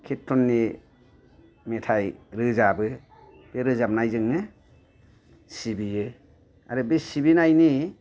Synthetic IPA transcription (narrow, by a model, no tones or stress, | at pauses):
kʰitʰːɔnːi | metʰajɾɯzabɯ | b̥eɾɯzap̚najzɯŋnɯ | sibijɯ | a̰ɾɯbesibinajni